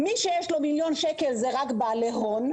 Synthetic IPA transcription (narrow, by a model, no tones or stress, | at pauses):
miʃejeʃlomiljo̞nʃekelzeʁakbaaleɦon